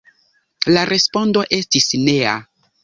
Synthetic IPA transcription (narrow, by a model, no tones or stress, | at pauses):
laɾʔe̞spo̞ndo̞ʔe̞stisne̞a̰